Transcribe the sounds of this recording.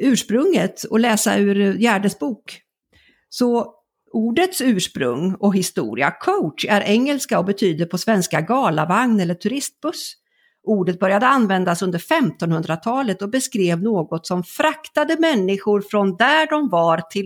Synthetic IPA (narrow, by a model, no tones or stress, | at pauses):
ʉ̟ːʂpɾɵŋːət̪ɔlɛːsa̰ʉ̟ːɾjæːɖəsbuːk | sɔ | uːɖət̪sʉ̟ːʂpɾɵ̰ŋːɔɦɪst̪ṵːɾɪ̰a̰kʰaʊæɾʔɛŋːəlskaɔbɛt̪ʰyːd̪əɾpʰɔsvɛnskaɡɑːlavaŋnɛlːəʈʰɵɾɪst̪̚b̥ɵs | ʔuːɖət̪̚bœɾjad̪əanvɛnd̪asɵnd̪əɾfɛmt̪ɔnhɵnd̪ɾat̪ʰɑːlət̪ɔbɛskɾeːvnoːɡɔt̪sɔmfɾakt̪ad̪əmɛnːɪɧʊɾfɾɔnd̪æɖɔmvaɾt̪ʰɪ